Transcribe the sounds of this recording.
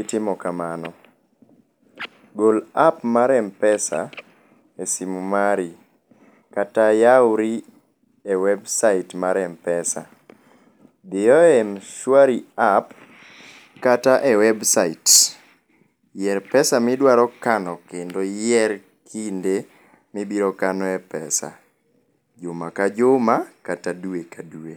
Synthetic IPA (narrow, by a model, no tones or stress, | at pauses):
itɪmɔkamanɔ | ɡolapmaɾɛmpɛsa̰ | esimumaɾi | katajawʊɾi | ewɛbsaitmaɾɛmpɛsa̰ | d̪ɪɔɛmʃwaɾiap | kataʔɛwɛbsait | jɛɾpɛsamɪdwaɾɔkanɔkendojɛɾ | kʰinde | mibiɾɔkanɔɛpɛsa̰ | d͡ʒomakad͡ʒʊmakataduekadue